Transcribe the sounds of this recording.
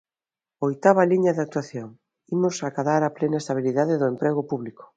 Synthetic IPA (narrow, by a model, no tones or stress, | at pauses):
ojt̪aβɐliɲɐðak̚t̪waθjoŋ | imʊsakaðaɾaplenaest̪aβ̞iliðaðɪðʊempɾeɣʊpuβlikʊ̥